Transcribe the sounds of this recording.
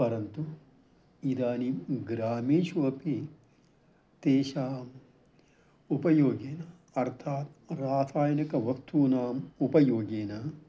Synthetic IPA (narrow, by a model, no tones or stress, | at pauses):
pɐɾɐnt̪u | id̪aːniɡɾaːmeːʃuʋɐpi | t̪eːʃaːm | upɐjoːɡeːna | ɐɾt̪ʰaːt̪̚ɾaːt̪ʰaːjɐnikɐʋɐkt̪uːnaːmupɐjoːɡeːna